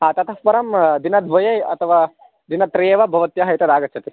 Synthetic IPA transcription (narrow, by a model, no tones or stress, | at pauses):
ɦaːt̪ɐt̪ʰɐfpɐɾɐmd̪inɐd̪ʋɐjɐjɐ̰t̪ʰɐʋaː | d̪inɐt̪ɾeːʋɐbʱɐʋɐt̪jɐɦɐjt̪ɐd̪aːɡɐt̪ːt͡ʃʰɐt̪i